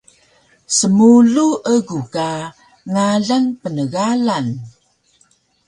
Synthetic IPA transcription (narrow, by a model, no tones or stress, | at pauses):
səmuɮuʔəɡuka | ŋaɮaŋpənəɣalan